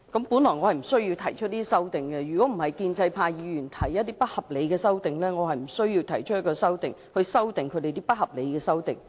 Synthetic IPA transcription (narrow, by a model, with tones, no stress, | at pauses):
kɐ˨˥mpuː˨˥nlɔː˨˩jŋɔ˨˧hɐ˨jm̩˨˩sɵ˥ɥji˧wt̪ʰɐ˨˩jt͡ʃʰɵ˥t̚niː˥i˥sɐ˥wt̪ɪ˨ŋkɛ˧jyː˨˩kɔː˨˥m̩˨˩hɐ˨jkiː˧nt͡sɐ˧jpʰaː˧jiː˨˧jyː˨˩nt̪ʰɐ˨˩jːɐ˥t̚t̪iː˥pɐ˥t̚hɐ˨˩p̚le˨˧jkɛː˧sɐ˥wt̪ɪ˨ŋlɛː˥ŋɔː˨˧hɐ˨˩jm̩˨˩sɵ˥ɥjiː˧wt̪ʰɐ˨˩jt͡ʃʰɵ˥jɐ˥kːɔː˧sɐ˥wt̪ɪ˨˩ŋhɵ˧ɥsɐ˥wt̪ɪ˨ŋkʰɵ˧t̪e˨t̪iː˥pɐ˥t̚hɐ˨p̚le˨˧jkɛː˧sɐ˥wt̪ɪ˨ŋ